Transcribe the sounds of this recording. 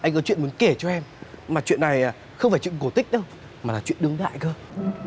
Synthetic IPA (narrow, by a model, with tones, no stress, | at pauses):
ʔa˧jŋ̟kɔ˨˦t͡ɕwḭ˧˨ənmu˨˦ə˦nke˧˩t͡ɕɔ˧ʔɛ˧mmaː˨˩t͡ɕwḭ˧˨ənːa˨˩j | xə˧wŋ͡mfaː˧˩jt͡ɕwi˧˨ə˨˩ko˧˩t̪ï˦˥k̟̚ɗə˧w | maː˨˩laː˨˩t͡ɕwḭ˧˨ənɗɨ˧əŋɗa̰ː˧˨jkəː˧